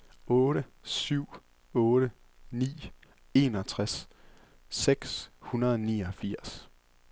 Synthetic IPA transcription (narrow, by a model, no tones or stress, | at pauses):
ɔːɾəsyʊ̰ | ɔ̽ːɾ̥ə | nḭː | e̝ːnɒt͡sʰʁasː | eɡ̥shunɐð̞ˠɒniːɒfiɐ̰s